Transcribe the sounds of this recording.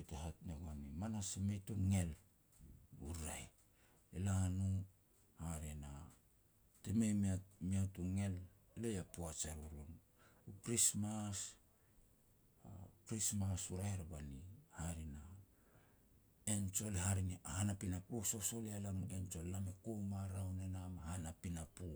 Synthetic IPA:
eteɦatneɡoanimanasemetuŋe̞l | uɾaj | elahanu | haɾena | temejmiamiatuŋe̞l | lejapuat͡ʃaɾuɾun | ukɾismas | akɾismasuɾaheɾabanihaɾina | ent͡ʃolehaɾiniahanapinapososo̞lealanuent͡ʃollamekomaɾawnenamahanapinapu

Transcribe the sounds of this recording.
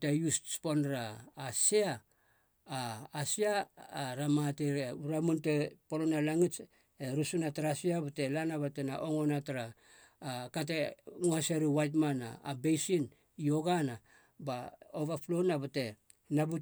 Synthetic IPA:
tejusspo̞nɾaːsiaː | siaɾamateɾuɾamunte̞polonalaŋit͡ʃ | eɾusunataɾasiabate̞lanaβatena̰ʔo̞ŋo̞nataɾaː | kat̬eŋuhaseɾiwajt̬mana̰ːbejsin | ijo̞ɡana | baoβaplonabate̞ | nabu

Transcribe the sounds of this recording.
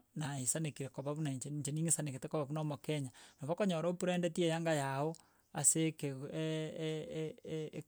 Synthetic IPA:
naisanekiɾekoβaβunaiɲt͡ʃeɲt͡ʃeniŋesaneketekoβaβunamɔkɛɲanaβakoɲɔɾoopuɾɛːndɛtiejaŋɡajao | aseke

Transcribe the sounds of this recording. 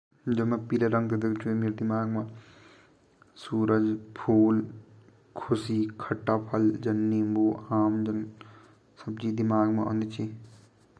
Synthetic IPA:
d͡ʒɐmẽpiːleɾɐ̃ŋɡed̪ekt͡ʃʰuemeːɾd̪ɪmaːɡmã | suːɾəd͡ʒpʰuːl | kʰʊsiːkʰɐʈːaːpʰɐld͡ʒɐnːimbuːaːmd͡ʒɐn | sɐbd͡ʒid̪imaːɡmão̰nd̪it͡ʃi

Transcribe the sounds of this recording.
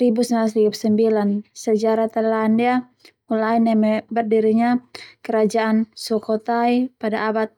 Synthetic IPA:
ɾibusəmalas̬ɾiup̚səmbilansəd͡ʒaɾat̪alandia | mulainɛmɛbərdiɾiɲakəɾad͡ʒaʔansɔkɔt̪aipadaːbat̪̚

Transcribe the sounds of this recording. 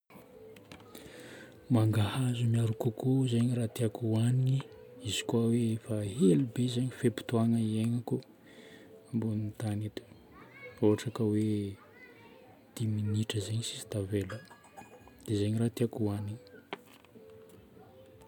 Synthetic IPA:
maŋɡahazumiaɾukukuzeɲiɾat̪iakuaniɲiizi̥kwaweefaɦelubezeɲifepu̥t̪uanəieŋaku | mbunint̪anit̪u̥ | oɦaʈ͡ʂakəwe | d̪̥iminiʈ͡ʂəzeɲisi̥si̥t̪avelu | d̪̥ezeɲirat̪iakuaniŋi

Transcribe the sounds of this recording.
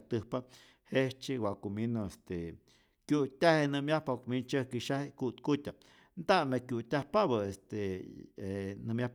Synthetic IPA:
t̪ɨhpa | heht͡ʃiwaʔkuminoest̪e | kjut̪ʲahenɨmjahpakumint͡ʃəhkiʃahkut̪kut̪ʲa | nd̪aʔnakjut̪ʲahpaβaest̪eenɨmjah

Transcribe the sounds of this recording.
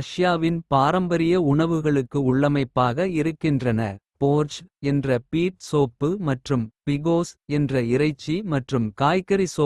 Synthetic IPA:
ɐʂjaːʋɪnpaːɾɐmbɐɾɪjɐʊɳɐʋɯɣɐɭɯkːɯʊɭːɐmɐɪpːaːɣɐɪɾɯkːɪndrɐnɐ̰poːɾt͡ʃɛndrɐpiːʈ̚soːpːɯmɐʈrɯmpɪɣoːsɛndrɐɪɾɐɪt͡ʃːimɐʈrɯmkaːjkːɐɾisoː

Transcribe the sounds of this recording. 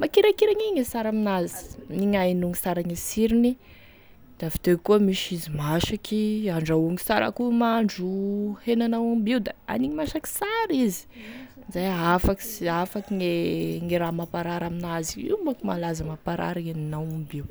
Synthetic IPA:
makiɾakiɾaɲiŋesaɾaminazi̥niŋajnuŋisaɾaŋesiɾini | d̪̥avi̥t̪ekuəmiʃizimaʃakiaɳɖ͡ʐauŋisaɾa̰kumaɳɖ͡ʐuhenanawambiwd̪aa̰niɲimaʃaki̥saɾizi̥ | zajafaksiafakiŋeŋiɾamapaɾaɾaminaziḭumbakumalazamapaɾa̰ɾaenanawabiw

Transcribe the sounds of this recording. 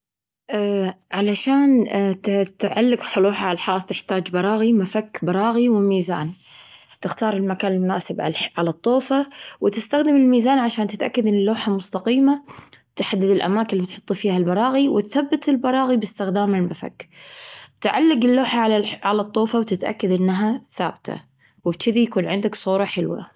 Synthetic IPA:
ʔaʕalaʃaːn | t̪ʕalːɪɡħʊloːħaʕalħɑːθˤt̪ɪħt̪aːd͡ʒbɑɾˤɑːɣimafakːbɑɾˤɑːɣiwɪmiːza̰ːn | t̪ɪxt̪ɑːɾˤɪlmakaːnɪlmʊna̰ːsɪbʕʕalat̪ˤːoːfawʔɪt̪ɪst̪axd̪ɪmɪlmiːzaːnʕaʃaːnt̪ɪt̪ʔakːad̪ɪnːɪlːoːħamʊst̪ɑqiːmat̪ħad̪ːɪd̪ɪlʔa̰maːkɪnbɪt̪ħʊt̪ˤːfiːhalbɑɾˤɑːɣiwɪt̪θabːɪt̪ɪlbɑɾˤɑːɣibɪst̪ɪxd̪aːmɪlmafa̰k | t̪ʕalːɪɡɪlːoːħaʕalaʕalat̪ˤːoːfawt̪ɪt̪ʔa̰kːad̪ʔɪnːɦaθa̰ːbt̪ʰa̰ | wɪbt͡ʃɪd̪ijakuːnʕɪnd̪aksˤuːɾˤɑħɪlwa̰

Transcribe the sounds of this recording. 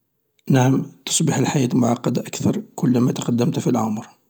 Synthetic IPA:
naʕəmt̪o̥sˤbəħəlħajæt̪lmʊʕɑqːɑd̪aʔækt̪ɑɾˤkʊlːmæt̪qɑd̪ːəmt̪filʕʊmɾ

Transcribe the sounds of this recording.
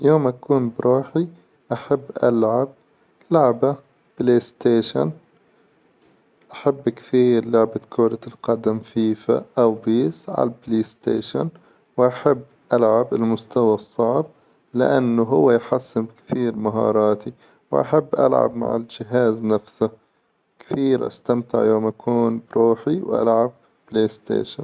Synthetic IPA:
joːmʔakuːnbɾuːħi | ʔaħabːʔa̰lʕab̚ | lʊʕba | b̥leːst̪eːʃa̰n | ʔaħabːkθiːɾlʊʕbakʰoːɾalqɑd̪amfiːfa̰ʔawbiːsʕa̰lableːst̪ḛːʃa̰n | wʔaħabːʔalʕabɪlmʊst̪awasˤːɑʕb̚ | lɪ̰ʔanːʊɦʊwːajħasːɪmkθiːɾmaɦɑ̰ːɾˤɑːt̪i | wʔa̰ħabːʔa̰lʕa̰bma̰ʕɪ̰ld͡ʒɪɦaːznafsʊ | kθiːɾʔa̰st̪amt̪ɪ̰ʕjoːmʔakʰuːnbɾuːħiwʔa̰lʕab̚ | bleːst̪ḛːʃan

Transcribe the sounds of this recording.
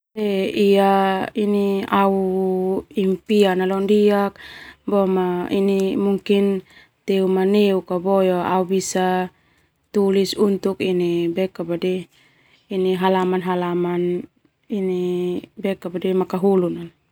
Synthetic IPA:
ɛiainiau | impianalɔndiak̚bɔmainimuŋkin | t̪eumaneukabɔjoaubisa | t̪ulisunt̪ukinibɛkabadiː | niɦalamanɦalaman | inibɛkabadɛmakaɦulunan

